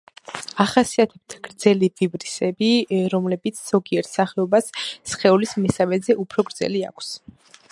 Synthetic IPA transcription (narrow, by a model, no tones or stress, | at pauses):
aχasiat̪ʰɛb̥̚t̪ʰaɡ̥ɾd̪zɛlivibɾisɛbiɾɔmlɛbit̪sʰz̥ɔɡiɛɾt̪ʰsaχɛɔbasːχɛulismɛsamɛzɛʔupʰɾɔɡɾd̪zɛ̰lia̰kʷʰs